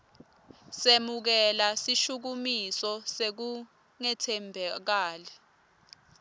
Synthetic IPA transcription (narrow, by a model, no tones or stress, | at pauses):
semuk̬ɛlasiʃuk̬umisɔsek̬u | ŋɛtʰɛmbʱɛk̬aːlɛ